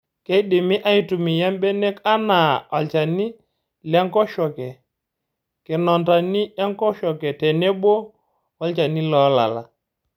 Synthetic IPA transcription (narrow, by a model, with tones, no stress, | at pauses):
kɛ˦i˦dɪ˨mɪ˦ʔa˦i˨tu˨mi˨ja˦mbɛ˦nɛ˦ka˦na˨ɔ˨lt͡ʃa˨ni˦ | lɛ˦ŋkɔ˦ʃɔ˨kɛ˨ | kɪ˨nɔ˨nda˨ni˦ɛ˦ŋkɔ˦ʃɔ˨kɛ˨tɛ˨nɛ˦ɓo˦ | ɔ˦lt͡ʃa˨ni˦lɔ˨˦la̰˨la̰˨